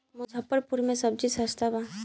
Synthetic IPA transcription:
mʊzʱɐpːəɾpuɾmẽsɐb̚d͡ʒisɐst̪ʰaba

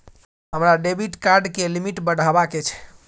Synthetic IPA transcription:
ɦəmɾaɖebʱiʈkaɾɖkelimiʈbəɽʱabaket͡ʃʰɛ̥

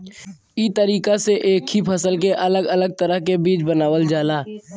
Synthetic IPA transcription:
iːt̪əɾiːkaseʔeːkhipʰəsəlkeʔɐləɡələɡ̚t̪əɾəɦkebiːt͡ʃbənaːwəld͡ʒaːlaː

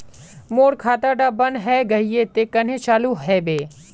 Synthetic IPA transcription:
moːɽkʰaːt̪aɖabɐnɦɛɡɐɦiet̪eːkɐn̤ẽt͡ʃaːluɦɛːbeː

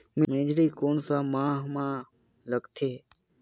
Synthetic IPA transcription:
mĩmẽːd͡ʒɾiːkoːɳsaːmãːɦmãː | ləɡt̪ʰeː

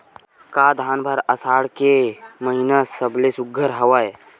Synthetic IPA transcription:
kaːd̪ʱaːnbʱəɾəsaːɽkeməɦinəsəblesʊɡʱːəɾɦəʋaj

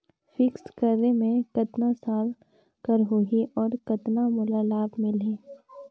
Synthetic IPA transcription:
fɪkskɐɾnemẽkɐt̪nasaːl | kɐɾɦʊɦiʔɔːɾkɐt̪namʊlalaːbmɪlẽː

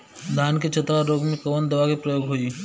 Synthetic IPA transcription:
d̪ʱaːnk̬et͡ʃɐt̪ɾaɾoːɡmẽkoːnd̪ɐʋakipɾɐjoːɡɦoiː

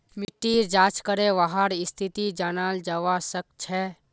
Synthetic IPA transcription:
mɪʈːiːɾd͡ʒaːt͡ʃkəɾeʋaɦaɾɪst̪ʰit̪id͡ʒaːnald͡ʒəʋasək̚t͡ʃʰɛ

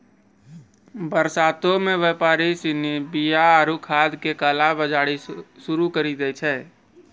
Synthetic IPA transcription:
bəɾsaːt̪õmẽʋeːpaːɾisɪnibijaaɾukʰaːd̪kekəlabəd͡ʒaːɽisʊɾukəɾid̪ɛt͡ʃʰɛː

